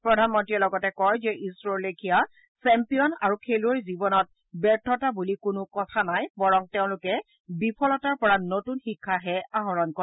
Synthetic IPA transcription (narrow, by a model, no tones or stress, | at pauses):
pɹɔdʱanmɔntɹiɔlɔɡɔtɛkɔjzɛʔisɹoɹlekʰija | sɛmpijɔnaɹukʰeluɔɹzibɔnɔt̚ | bɛɹtʰɔtabulikʊnʊkɔtʰanajbɔɹɔŋteʊ̃lʊkɛ | bipʰɔlɔtaɹpɔɹanotunxikʰːaɦɛaɦɔɹɔnkɔ